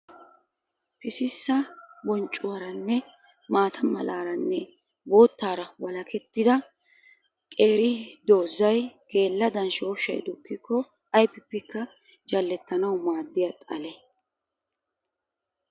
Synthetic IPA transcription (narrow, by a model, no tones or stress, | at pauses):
pɪsɪsːɐbɔnt͡ʃʼːʊwɐɾɐnːɛ | maːt̪ʰɐmɐ̰laːɾɐnːɛ | bo̞ːt̪ːaːɾɐwɐlɐkʰɛt̪ːɪd̪ɐ | kʼe̞ːɾɪd̪o̞ːzɐjke̞ːlːɐd̪ɐnʃo̞ːʃɐ̰jd̪ʊkːɪkːɔ | ɐjpːɪpːɛkːɐ | d͡ʒɐlːɛt̪ːɐnɐwmaːd̪ːɪjat̪ʼɐ̰lɛ